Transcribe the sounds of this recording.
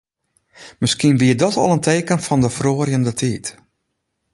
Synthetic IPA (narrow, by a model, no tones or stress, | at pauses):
mɪskiənʋiədɔtɔ̰lˠəntʰeːkənfɔndəfroːrjəndətʰiːt